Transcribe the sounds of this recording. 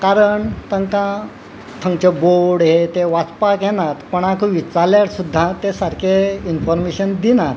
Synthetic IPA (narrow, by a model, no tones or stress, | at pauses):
kaɾəɳt̪ə̃ŋkã | t̪ʰə̃ŋɡt͡ɕeboɽɦet̪eʋat͡spakjenat̪pəɳ̃akuʋiːt͡saljaɾsud̪ʱːat̪esaɾkʰeinfɔɾmeɕənd̪inat̪